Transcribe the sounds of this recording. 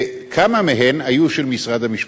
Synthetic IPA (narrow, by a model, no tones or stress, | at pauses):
kʰamameɦe̞najuʃelmisʁad̪hamiʃ